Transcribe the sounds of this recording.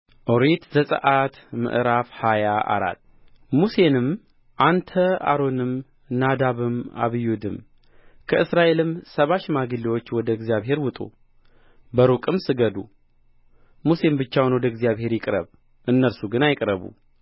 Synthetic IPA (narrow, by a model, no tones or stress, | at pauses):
ʔoɾet̪zəsʼə̰ʔat̪mɨ̰ʔɾafhajaʔa̰ɾa̰t̪ː | muse̞nɨm | ʔant̪ʰəa̰ɾo̞nɨm | nad̪aβɨma̰βɨjud̪ɨm | kʰəɨsɾaʔe̞lɨmsəβaʃmaɡɨlːiwo̞t͡ʃːwɔd̪əɪɡzjaβɦe̞ɾwʊt̪ʼṵ | bəɾukʼɨmsɨɡəd̪ṵ | muse̞mbɨt͡ʃːawnwɔd̪əɪɡzijaβhe̞ɾjɪkʼɾə̰β | ʔɨnːəɾsuɡɨnajɪkʼɾəβṵ